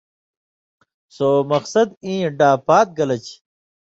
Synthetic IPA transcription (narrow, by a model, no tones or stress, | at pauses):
soːmɐqsɐd̪ĩːɖaːpaːt̪̚ɡɐlɐt͡ɕʰ